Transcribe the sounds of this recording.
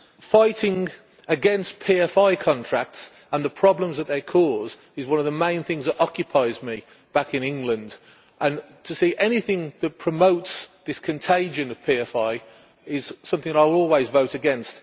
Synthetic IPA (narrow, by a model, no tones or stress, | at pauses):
faɪtɪ̃ŋ | əɡɛ̃nspʰiɛfaɪkʰɒ̃ntʰɹ̥ak̚ts | ə̃nðəpʰɹ̥ɒblə̃mzðət̪ʔ̪̚ðeɪkʰɔːz | ɪzwʌ̃nəvðəmẽɪ̃nθɪ̃ŋzðətɒkjɨpʰaɪzmi | b̥akɪ̃nɪ̃ŋɡlə̃nd | ʔə̃n | tʰəsiːʔɛnɪθɪ̃ŋðət̚pʰɹ̥əmoʊtsðɪskʰɨ̃ntʰeɪd͡ʒɨ̃nəv̥pʰiɛfaɪ | ɪz̥sʌ̃mθɪ̃ŋəɾaɪɔːlˠwizvoʊtɨɡɛ̃nst